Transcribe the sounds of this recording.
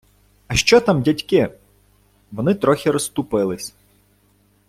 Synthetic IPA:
ɐʃt͡ʃɔt̪amdʲɐtʲkɪ | ʋɔnɪt̪ɾɔxʲiɾɔst̪ʊpɪlˠɪsʲ

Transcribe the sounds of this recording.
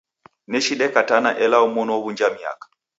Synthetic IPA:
nɛʃiɗɛkatanaʔɛlaumɔnɔɔβund͡ʒamia̰kḁ

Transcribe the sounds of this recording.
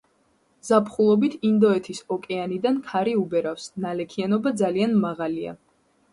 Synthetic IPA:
zapʰχulˠɔbit̪ʰind̪ɔɛt̪ʰisɔkʼɛanid̪ankʰaɾiubɛɾafsnalɛkʰianɔbad̪zalianmaʁalia̰

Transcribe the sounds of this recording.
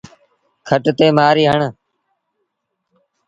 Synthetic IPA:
kʰəʈt̪eːmaːɾiːɦəɳ

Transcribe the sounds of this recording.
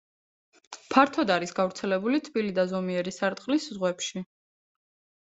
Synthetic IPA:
pʰaɾt̪ʰɔd̪aɾisɡavɾt̪sʰɛlɛbulit̪ʰb̥ilid̪azɔmiɛɾisaɾt̪ʼqʼliszʁwɛpʃi

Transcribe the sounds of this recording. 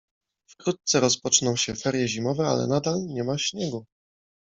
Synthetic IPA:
fkɾut̪̚t̪sɛɾɔspɔt͡ʂnɔ̃w̃ɕɛfɛɾjɛʑimɔvɛa̰lɛ̰nad̪alɲɛmaɕɲɛɡu

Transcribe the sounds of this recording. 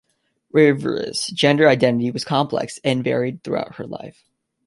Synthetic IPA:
ɹɪvə̰˞ɪ̰sd̥ʒ̥ɛ̃ndə˞aɪdɛ̃nɨɾiwʌz̥kʰɑ̃mpʰlɛ̰ksɨ̃nvɛ̰ɹid̪̚θɹṵa̰ʊt̚hə̰˞la̰ɪf

